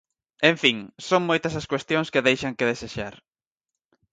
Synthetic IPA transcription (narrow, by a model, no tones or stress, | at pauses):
ẽɱfiŋsoŋmojt̪ɐsɐskwest̪jõŋskeðejʃɐŋkeðeseʃaɾ